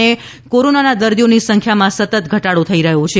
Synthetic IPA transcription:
e | koɾonanad̪əɾd̪ijonisəŋkʰjamãsət̪ət̪ɡʱəʈaɽot̪ʰəiɾəɦot͡ʃʰe

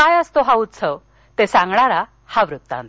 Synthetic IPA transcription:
ajəst̪oɦaut̪sʰəw | t̪esãŋɡɳaɾa | haʋɾut̪ːã̰nt̪

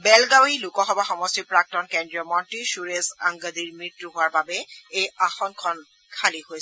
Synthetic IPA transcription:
bɛlɡawɦilukɔxɔbaxɔmɔstipɹak̚tɔnkɛndɹiɔmɔntisuɹeza̰ŋɡadiɹmɹitːuɦʊaɹbabɛejaxɔnkʰɔn | kʰalihojs

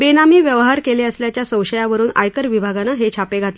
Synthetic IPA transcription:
benamiːʋjəʋɦaɾkeleəsljat͡ɕjasə̃w̃ɕəjaʋəɾuːna̰jkəɾʋibʱaɡanaɦet͡ɕʰapeɡʱat̪lə

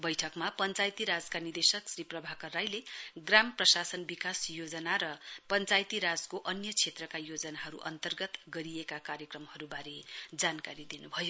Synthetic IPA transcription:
bʌjʈʰʌkmapʌnt͡sajt̪iɾad͡zkanid̪esʌksriprʌbʱakʌrːajleɡramprʌsasʌnbikasjod͡zʌnaɾʌpʌnt͡sajt̪iɾad͡zkoʔʌnjʌt͡sʰet̪rʌkajod͡zʌnaɦʌɾṵʔʌ̰nt̪ʌrɡʌt̪ɡʌɾiekakaɾjʌkrʌmhʌɾubaɾed͡zankaɾid̪inubʱʌjo

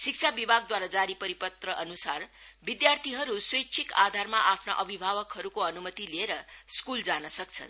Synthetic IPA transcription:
sik̚t͡sʰabibʱaɡ̚d̪waɾad͡zaɾipʌɾipʌt̪rʌʔʌnusarbid̪jart̪ʰiɦʌɾuswekt͡sʰikad̪ʱarmaʔapʰnʌ̰ʔʌbʱibʱabʌkɦʌɾukoʌnumʌt̪ilieɾʌskuld͡zanʌsʌkt͡sʰʌ̰n

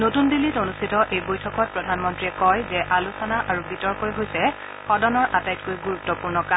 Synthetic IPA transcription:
notundilːitonustʰitɔʔejbojtʰɔkɔt̚pɹɔdʱanmɔntɹiɛkɔjzɛʔalusɔnaʔaɹubitɔɹkojɦojsɛ | xɔdɔnɔɹʔatajtkojɡuɹutːɔpuɹnɔkam

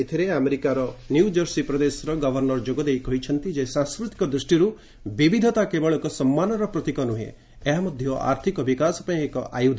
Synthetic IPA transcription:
et̪ʰiɾeameɾikaɾɔnjud͡ʒɔɾsipɾɔd̪esɔɾɔɡɔbʱɔɾnɔɾd͡ʒoɡɔd̪ejkɔɦit͡ʃʰɔnt̪id͡ʒesãskɾut̪i̥kɔd̪ɾisʈiɾu | bibid̪ʱɔt̪akebɔɭɔkɔsɔmːanɔɾɔpɾɔt̪ikɔnuɦḛ̃ | eɦamɔd̪ʱjɔʔa̰ɾt̪ʰikɔbikasɔpaĩekɔʔajud̪ʱ

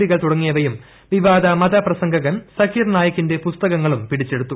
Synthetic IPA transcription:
ɽiɣɐɭt̪uɽɐŋːijɐʋɐjum | ʋiʋaːd̪ɐmɐd̪ɐprɐsɐŋɡɐɣɐnsɐkiːrnaːjɐkːinde̞pust̪ɐɣɐŋːɐɭumpiɽit͡ɕːeɽut̪ːu

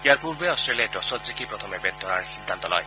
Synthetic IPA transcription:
ijaɹpuɹbɛɔstɹeliadɔsɔtzikipɹɔt̪ʰɔmebed̪̚d̪ʱɔɹa̰ɹxid̪ʱːant̪ɔlɔ̰j

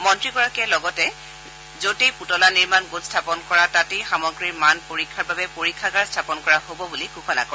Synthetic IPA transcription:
mɔntɹiɡɔɹakɛlɔɡɔtɛ | zotejputɔlaniɹmanɡotstʰapɔnkɔɹatatexamɔɡɹiɹmanpoɹikʰːaɹbabɛpoɹikʰːaɡaɹstʰapɔnkɔɹaɦobɔbulikukʰɔna̰kɔɹ

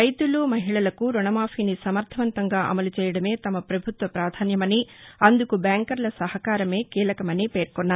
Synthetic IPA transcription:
ɐjt̪uluːmɐɦiɭɐlɐkuɾuɳɐmaːpʰinisɐmɐɾt̪ʰɐʋɐnt̪ɐŋɡaːʔɐ̰mɐlut͡ʃɛːjɐɽɐme̞ːt̪ɐmɐpɾɐbʱut̪ʋɐpɾaːd̪ʱaːnjɐmɐniɐnd̪ukubaːŋkɐɾlɐsɐɦɐkaːɾɐme̞ːkiːlɐkɐmɐnipeːɾkɔnːaːɾ

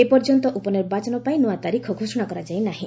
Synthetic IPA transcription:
epɔɾd͡ʒɔnt̪ɔʔupɔniɾbat͡ʃɔnɔpaĩnuat̪aɾikʰɔɡʱosɔɽ̃akɔɾad͡ʒajnaɦĩ

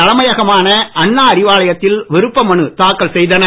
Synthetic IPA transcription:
ɐlɐmɐjɐɣɐmaːnɐɐɳːaːɐɾɪʋaːlɐjɐt̪ːɪlʋɪɾɯpːɐmɐɳɯt̪aːkːɐɭsɛjðɐnɐ

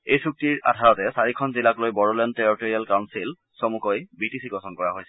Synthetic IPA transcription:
ejsuk̚tiɹa̰dʱaɹɔtɛsaɹikʰɔnzilaklojbɔɹɔljɔnteɹɔtoɹialkawnsil | somukojbitisʰikɔsɔnkɔɹaɦojsɛ

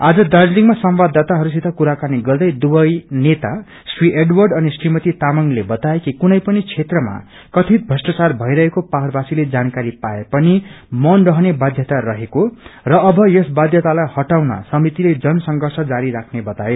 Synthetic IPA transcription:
ad͡zʌd̪ard͡zliŋmasʌmbad̪ːat̪aɦʌɾus̬it̪ʰakuɾakaniɡʌrd̪ʌjd̪ubʌjnet̪a | swiʔeɖwʌrɖʌnisrimʌt̪it̪amʌŋlebʌt̪aekikunʌjpʌnit͡sʰet̪rʌma̰ | kʌt̪ʰit̪̚bʱʌsʈat͡sarbʱʌjɾʌɦekopaɦrbasiled͡zankaɾipaepʌni | mʌnrʌɦʌnebad̪ʱjʌt̪aɾʌɦekorʌʌbʱʌjesbad̪ʱjʌt̪alajhʌʈawnʌ̰sʌmit̪iled͡zʌnʌsʌŋɡʌrsʌd͡zaɾiɾakʰnebʌt̪ae

